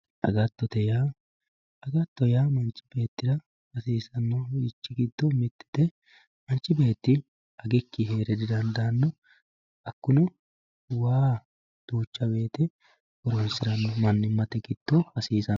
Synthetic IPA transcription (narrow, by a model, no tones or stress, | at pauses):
ʔɐ̰ɡɐt̪ːɔt̪ɛjaː | ɐɡɐt̪ːɔjaːmɐnt͡ʃːɪ̥b̥e̞ːt̪ːɪdɐ | hɐsiːsɐnːɔɪt͡ʃːɪɡɪd̪ːɔmɪt̪ːɪ̥d̪̥ɛ | mɐnt͡ʃːɪbe̞ːt̪ːɪ | ɐɡɛkːɪɦeːɾɛd̪ɪd̪ɐnd̪ɐːnːɔ | ɐkːʊnʊ | waː | d̪̥uːt͡ʃːɐbe̞ːt̪ɛ | ɔɾɔnsɪɾɐnːɔmɐnːɪmːɐt̪ɛɡɪd̪̥ːɔhɐsiːsɐ